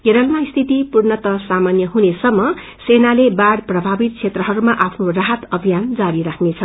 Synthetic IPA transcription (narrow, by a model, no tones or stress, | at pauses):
jeɾʌlmaist̪ʰit̪ipurnʌt̪ʌsamanjʌɦunesʌmːʌ | senalebaɽprʌbʱabit̪̚kʰet̪rʌɦʌɾumaʔapʰnoraɦʌt̪ʌbʱijand͡zaɾiɾakʰnet͡sʰʌ